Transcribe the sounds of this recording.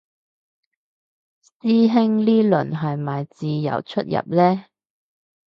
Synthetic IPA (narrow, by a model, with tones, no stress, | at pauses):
siː˥ɦɪ˥ŋliː˥lɵ̰˨˩nɦɐ˨jmaː˨jt͡siː˨˧jɐ̰˨˩wt͡ʃʰɵ˥t̚jɐ̰˨p̚lɛː˥